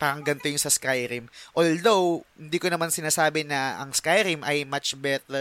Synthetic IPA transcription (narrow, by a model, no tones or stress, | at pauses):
paːɾɐŋɡɐnt̪ojʊŋsɐskajɾimʔold̪owhɪnd̪iːkonɐmansɪnaːsaːbɪnɐʔɐ̰ŋskajɾimʔɐjmat͡ʃbɛt̪ɛ